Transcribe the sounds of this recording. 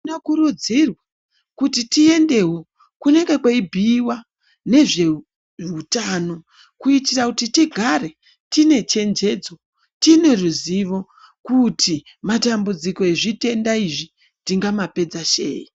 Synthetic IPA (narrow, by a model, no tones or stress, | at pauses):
nakuɾud͡zirwa | kutitie̞nde̞ɦo | kune̞ɡekwaibʱiwa | ne̞ʐe̞ | utano̞ | kuitirakutitiɡʱare̞ | tine̞t͡ʃe̞nd͡ʒe̞d͡zo̞ | tine̞ruziʋo̞ | kutʰi | matambud͡ziko̞eʐite̞ndaiʐi | tiŋɡamape̞d͡zaʃe̞̰ːji